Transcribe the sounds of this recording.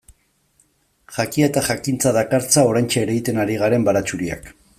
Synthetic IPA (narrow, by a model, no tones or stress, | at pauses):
ʝakiet̪aʝakint͡saðakaɾt͡sao̞ɾajnt͡ʃaeɾeɣit̪e̞naɾiɣ̞aɾe̞mbaɾat͡ʃuɾia̰k